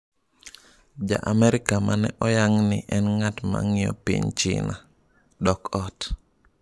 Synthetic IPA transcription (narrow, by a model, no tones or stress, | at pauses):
d͡ʒa̰ʔamɛɾɪkamanɛʔɔjaŋnɪʔɛnŋatma̰ŋɪɔ̰pḭɲt͡ʃɪ̰na | dɔkɔt